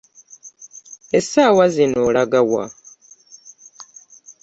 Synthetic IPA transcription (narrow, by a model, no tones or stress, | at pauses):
esaːwazinolaɡawa̰